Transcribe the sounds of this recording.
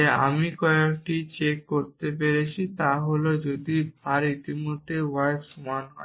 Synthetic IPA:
ea̰mikɔekʈit͡ɕekːoɾt̪epeɾet͡ɕʰit̪aɦolod͡ʑod̪ibʱaɾit̪imod̪ʱːeuaeʃumanɦɔ̰e

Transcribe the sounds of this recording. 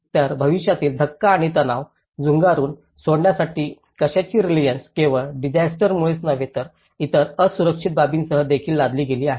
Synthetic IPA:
t̪jaɾbʱəʋiɕjat̪iːld̪ʱəkːaːɽ̃it̪ənaʋ | d͡zuŋɡaɾuːn | soɽɳjasaʈiː | kəɕat͡ɕiːɾilijənskeʋəɖid͡ʑasʈəɾmuɭesnəʋet̪əɾ | it̪əɾəsuɾəkʂit̪̚babiːnsəɦəd̪ekʰiːlːad̪ʱliːɡeliːaɦe

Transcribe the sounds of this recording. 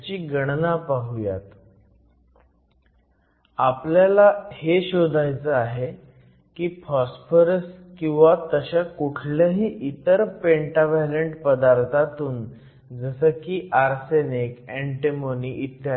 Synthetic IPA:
t͡ɕiːɡəɽ̃napaɦuja̰t̪ | apljalaheɕod̪ʱajt͡səaɦe | kiːpɔsfəɾəskĩw̃ʋat̪əɕakuʈʰləɦiːʔit̪əɾpeɳʈaʋajləɳʈpəd̪aɾt̪ʰat̪uːn | d͡zəsəːkiːʔaɾsenekeɳʈemoniːʔit̪ːja

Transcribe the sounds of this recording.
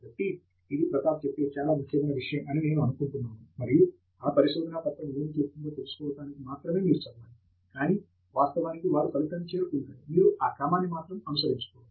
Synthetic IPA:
ɐʈːi | id̪ipɾɐt̪aːt͡ʃepːe̞ːt͡ʃaːlaːʋik̪ʰɐmɐjnɐʋiʂɐjɐmɐnine̞ːnuɐnukuɳʈunːaːmumɐɾiju | aːpɐɾiʃoːd̪ɐnaːp̪ɐpːɐmeːnit͡ʃesk̪uɳɖoːt̪e̞lusu̥kɔːʋɐʈaːnikimaːt̪ɾɐme̞ːmiːɾut͡ʃɐbːaːni | kaːniː | ʋaːst̪ɐʋaːnikiʋaːɾukɐluk̪ɐnt͡ʃe̞ːɾukuɳɖaːɾimiːɾuʔaːkaːmaːnːimaːt̪ɾɐmɐnusɐɾiɲt͡ʃu̥kɔːʋː

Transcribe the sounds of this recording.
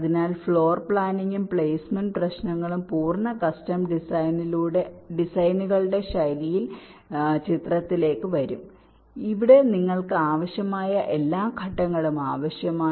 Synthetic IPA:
ɐðinaːlfɭo̞ːrpɭaːniŋɡumpɭeːsmɐnprɐɕnɐŋːɐɭumpuːrnɐkɐstɐmɖisɐjniluːɽe̞ɖisɐjnuɣɐɭɨɽe̞ɕɐjɾijil | t͡ɕit̪rɐt̪ːile̞ːkːɨʋɐɾum | iʋiɽe̞niŋːɐɭkɨaːʋɐɕjɐmaːjɐʔe̞lːaːmkʰɐʈːɐŋːɐɭumaːʋɐɕjɐmaː

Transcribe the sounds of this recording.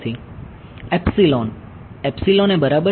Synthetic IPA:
t̪ʰi | ɛpsilon | ɛpsilonebəɾabə

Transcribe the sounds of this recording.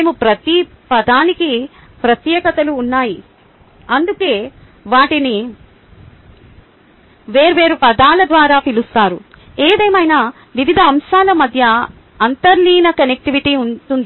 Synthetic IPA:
neːmupɾɐt̪i | pɐd̪aːniki | pɾɐt̪jɛːkɐt̪ɐluːnːaːji | ɐnd̪uke̞ː | ʋaːʈini | ʋeːɾuʋe̞ːɾupɐd̪aːlɐd̪ʋaːɾaːpilust̪aːɾu | eːd̪ɐjmɐjnɐ | ʋiʋid̪ʱɐːmʃaːlɐmɐd̪ʱjɐ | ɐnt̪ɐɾliːnɐkɐnek̚ʈiʋiʈiːunʈund̪i

